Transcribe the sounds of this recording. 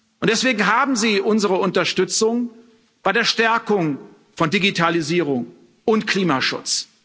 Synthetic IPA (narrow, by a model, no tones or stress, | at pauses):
ʔʊntd̥ɛsv̥eːɡŋ̩ɦaːbm̩ziːʔʊnzəʁəʊntɐʃtʏt͡sʊŋ | b̥aɪɾeːɐʃtɛɐkʊŋ | fɔndiɡitʰaliziːʁ̞ʊŋ | ʊntkl̥iːmaʃʊ̰t͡s